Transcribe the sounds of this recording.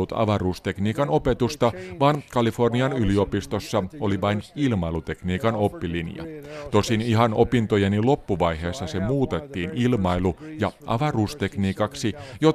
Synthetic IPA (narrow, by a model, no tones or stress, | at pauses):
ut̪ɑ̰ʋɑruːst̪e̞kniːkɑno̞pe̞t̪ust̪ɑʋɑːnkɑlifo̞rniɑnylio̞pist̪osːɑoliʋɑjnilmɑjlut̪e̞kniːkɑno̞pːilinjɑ̰t̪o̞siniɦɑno̞pint̪o̞jenilo̞pːuʋɑjɦe̞ːsːɑsemuːt̪et̪ːiːnilmɑjlujɑʔɑ̰ʋɑruːst̪e̞kniːkɑksijo